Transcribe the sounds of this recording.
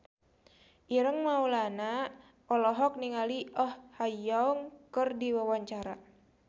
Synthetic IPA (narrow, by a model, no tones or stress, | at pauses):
ʔiɾəŋmaulana | ɔlɔɦɔk̚niŋaliʔɔhhajɔuŋkərdiwəwaɲt͡ʃaɾa